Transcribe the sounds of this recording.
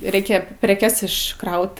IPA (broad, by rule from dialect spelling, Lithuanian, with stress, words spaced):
ˈrʲɛɪkʲɛ pʲrʲɛˈkʲɛs ɪʃˈkrɐʊt